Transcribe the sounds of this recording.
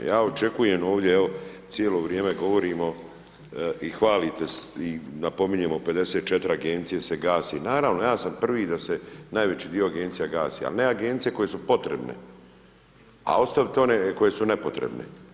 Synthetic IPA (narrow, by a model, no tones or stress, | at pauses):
jaːot͡ʃe̞kujemo̞ːʋd̪jeeo̞t̪jeloːʋɾjeːmeɡo̞ʋoɾiːmo̞ | ixʋaːlit̪esinapo̞miɲemope̞d̪e̞seːt̪̚t͡ʃet̪ɾaɡent̪sijeseɡaːsinaːɾaʋnojaːsampr̩ʋid̪asenaːjʋe̞t͡ɕiːd̪io̞aɡeːnt̪sijaɡaːsḭa̰lne̞aɡent̪sije̞ko̞je̞supo̞t̪ɾḛbnḛ | a̰o̞st̪aʋit̪eoneko̞je̞sune̞pot̪ɾḛbnḛ